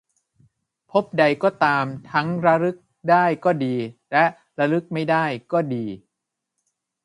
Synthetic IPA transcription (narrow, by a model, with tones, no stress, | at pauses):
pʰo˦˥p̚da˧jkɔː˥˩t̪aː˧mt̪ʰa˦˥ŋɾa˦˥ɾɯ˦˥k̚ | daː˥˩jkɔː˥˩diː˧lɛ˦˥ʔ | ɾa˧˥ɾɯ˦˥k̚ma˥˩jdaː˥˩jkɔː˥˩diː˧